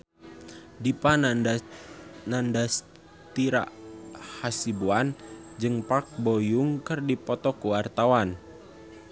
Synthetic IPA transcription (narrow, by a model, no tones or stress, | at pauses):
dipa | nandas | t̪iɾa̰ʔhasibuan | d͡ʒɨŋpak̚bojuŋkɨrdipɔt̪ɔkuwart̪awan